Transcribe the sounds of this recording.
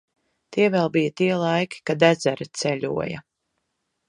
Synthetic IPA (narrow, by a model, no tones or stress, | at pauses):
t̪iɛvɛlˠbijat̪iɛlˠajkʲi̥kad̪æzæɾit̪sɛʎʲṵɔjɐ̰